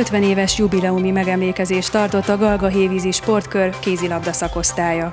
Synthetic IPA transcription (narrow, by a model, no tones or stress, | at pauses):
øt̪ʋɛneːvɛʃjubilɛumimɛɡɛmleːkɛzeːʃt̪ɒrt̪o̞t̪ːɒɡɒlɡɒɦeːviːziʃpo̞rt̪kø̞rkeːzilɒbd̪ɒsɒko̞st̪aːjɒ